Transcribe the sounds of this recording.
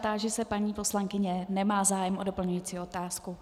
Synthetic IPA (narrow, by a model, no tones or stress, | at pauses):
t̪aːʒɛsɛpaɲiːpo̞slaŋkɪɲɛnɛmaːzaːjɛmʔodopl̩ɲujiːt͡siːo̞t̪aːsku